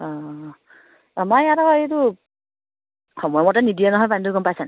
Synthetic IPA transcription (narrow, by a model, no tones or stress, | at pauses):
ɔ | amajatakɔet̬u | xɔmɔjɔmɔtanidijanɔɦɔjpandukɔmpajsan